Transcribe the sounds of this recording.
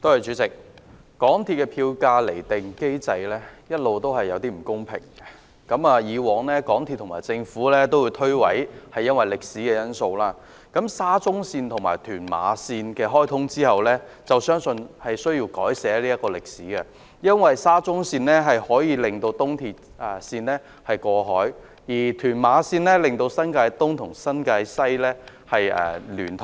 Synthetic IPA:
t̪o˥hɐ˨˩jt͡ʃy˨˥t͡sɪ˨k̚ | kɔː˨˥ŋt̪ʰiː˧t̚kɛ˧pʰiː˧wkaː˧le˨˩jt̪ɪ˨ŋke˥jt͡sɐ˧jlɛː˥jɐ˥t̚lo˨wt̪o˥whɐ˨jːɐ˨˧wt̪iː˥m̩˨˩kʊ˥ŋpʰɪ̰˨˩ŋɛ˧ | kɐ˨˧˥maː˨˧jiː˨˧wɔː˨˧ŋlɛː˥kɔː˨˥ŋt̪ʰi˧t̪ːʰmaː˨˩jt͡sɪ˧ŋfuː˨˥lɛː˥t̪o˥wji˨˧wt̪ʰɵ˥ɥwɐ˨˥jhɐ˨jːɐ˥nwɐ˨˩jlɪ˨k̚siː˨˥kɛː˧jɐ˥nso˧wlaː˥ | kɐ˨˥msaː˥t͡sʊ˥ŋsiː˧nt̪ʰʊ˨˩ŋma̰ː˨˩jt̪ʰyː˨˩nma̰ː˨˧siː˧nkɛː˧ɦɔː˥jt̪ʰʊ˥ŋt͡siː˥hɐ˨wlɛː˥t͡sɐ˨wsœː˥ŋsɵ˧nhɐ˨jsɵ˥ɥji˧wkɔː˨˥jsɛː˨˥liː˥ɐ˥t̚kːɔː˧lɪ˨k̚siː˨˥ɡɛ˧ | jɐ˥nwɐ˨jsaː˥t͡sʊ˥ŋsiː˧nlɛː˥ɦɐ˨jhɔː˨˥jiː˨˧lɪ˨ŋt̪o˧wt̪ʊ˥ŋt̪ʰiː˨t̚ | ɛ˨siː˧nlɛː˥ | hɐ˨jkɔː˧ɦɔː˨˥j | jiː˨˩t̪ʰyː˨˩nmaː˨˧siː˧nlɛː˥lɪ˨ŋt̪o˧wsɐ˥nkaː˧jt̪ʊ˥ŋt̪ʰʊ˨˩ŋsɐ˥nkaː˧jsɐ˥jlɛː˥ | hɐ˨jɛ̰ː˨ly̰ː˨˩nt̪ʰ

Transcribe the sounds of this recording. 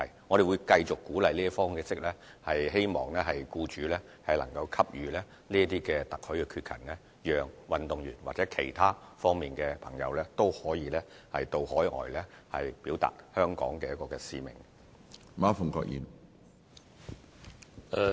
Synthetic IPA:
hɐ̰˨jŋɔː˨˧ɾe˨jwu˨˧jkɐ˧jt͡sʊ˨kːuː˨˥lɐ˨jliː˥ɐ˥fɔː˥ŋkɛː˧t͡sɪ˥k̚lɛː˥hɐ˨jhe˥jmɔ̰ː˨˩ŋlɛ˥ɦɐ˨jkuː˧t͡ʃyː˨˦lɛː˥ | hɐ˨jlɐ˨˩ŋkɐ˧wkʰɐ˥p̚jyː˨˧lɛː˥ | liː˥ɐ˥t̪iː˥kɛː˧t̪ɐ˨k̚hɵ˨˥ɥkɛ˧kʰyː˧t̚kʰɐ̰˨˩ŋlɛ˥ | jœː˨ŋwɐ˨nt̪ʊ˨ŋjyː˨˩nwaː˨k̚t͡sɛː˨˥kʰe˨˩jt̪ʰaː˥fɔː˥ŋmiː˨nkɛː˧pʰɐ˨˩ŋjɐ̰˨˧wlɛː˥t̪o˥whɔː˨˥jiː˨˧lɛː˥ | hɐ˨jt̪o˧whɔː˨˥jʔɔ̰ː˨˩jlɛː˥hɐ̰˨jpiː˨˥wt̪a̰ː˨˩t̚hœː˥ŋkɔ̰ː˨˥ŋkɛː˧jɐ˥tkːɔː˧kɛː˧sḭː˧mɪ̰˨˩ŋ | maː˥fʊ˨˩ŋkɔ̰ː˧k̚jḭː˨˩n | ɛ˨

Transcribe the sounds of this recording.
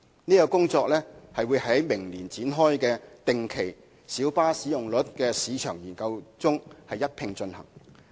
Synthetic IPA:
niː˥kɔː˧kʊ˥ŋt͡sɔː˧k̚lɛː˥hɐ˨jwuː˨˧jhɐ˨˥jmɪ˨˩ŋliː˨˩nt͡siː˨˥nɦɔː˥jkɛː˧t̪ɪ˨ŋkʰe˨˩j | siː˨˥wpaː˥si˨˥jʊ˨˩ŋlɵ˨˥t̚kɛː˧siː˨˧t͡ʃʰœː˨˩ŋjiː˨˩nkɐ˧wt͡sʊ˥ŋhɐ˨jːɐ˥t̚pʰɪ˧ŋt͡ʃɵ˧nhɐ̰˨˩ŋ

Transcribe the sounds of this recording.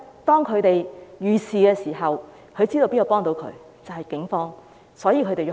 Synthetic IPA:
t̪ɔː˥ŋkʰɵ˨˧ɥt̪e˨jjyː˨siː˨kɛː˧siː˨˩ɦɐ˨w | kʰɵ˨˧ɥt͡siː˥t̪o˧piː˥ɐ˨˧pɔː˥ŋt̪o˧˥wkʰɵ̰˨˧ɥ | t͡sɐ˨hɐ˨jkɪ˨˥ŋfɔː˥ŋ | sɔː˨˥jiː˧kʰɵ˧t̪e˨j

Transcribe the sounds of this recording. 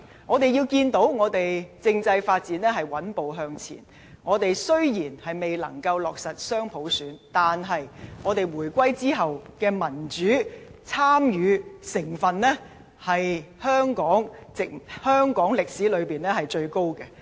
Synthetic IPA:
ŋɔː˨˧t̪e˨˩jiː˧wkiː˧nt̪o˨˥wŋɔː˨˧t̪e˨jt͡sɪ˧ŋt͡sɐ˧jfaː˧t̚t͡siː˨˥nɛː˥ɦɐ˨jwɐ˨˥npo˨˧wɦœː˧ŋt͡sʰḭː˨˩n | ŋɔː˨˧t̪e˨jsɵ˥ɥjiː˨˩nhɐ˨jme˨jlɐ̰˨˩ŋkɐ˧wlɔː˨k̚sɐ˨t̚sœː˥ŋpʰo˨˥wsyː˨˥nt̪aː˨nɦɐ˨jŋɔː˨˧t̪e˨jwuː˨˩jkʷɐ˥jt͡siː˥ɦɐ˨wkɛː˧mɐ˨˩nt͡ʃyː˨˥t͡sʰaː˥mjyː˨˧sɪ˨˩ŋfɐ˨nlɛː˥ | hɐ˨jhœː˥ŋkɔː˨˥ŋt͡sɪ˨k̚hœː˥ŋkɔː˨˥ŋlɪ˨k̚siː˨˥lɵ˨˧ɥpiː˨˩nɛː˥hɐ˨jt͡ʃɵ˧ɥko˥wkɛ˧

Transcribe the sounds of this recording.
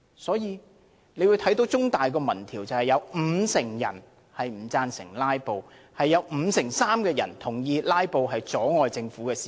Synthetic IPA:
sɔː˨˥jiː˨˧ | ne˨˧wu˨˧jt̪ʰɐ˨˥jt̪o˨˥wt͡sʊ˥ŋt̪aː˨jkɔː˧mɐ˨˩nt̪ʰiː˨˩wt͡sɐ˨whɐ˨jɐ˨˧wm̩ː˨˧sɪ˨˩ŋjɐ̰˨˩n | hɐ˨jm̩˨˩t͡saː˧nsɪ̰˨˩ŋlaː˥jpo˨˧w | hɐ˨jːɐ˨˧wm̩˨˧sɪ˨˩ŋsaː˥mkɛː˧jɐ̰˨˩nt̪ʰʊ˨˩ŋjiː˨˧laː˥jpo˨wɦɐ˨jt͡sɔː˨˥ŋɔː˨jt͡sɪ˧ŋfuː˨˥kɛː˧si̥ː˨

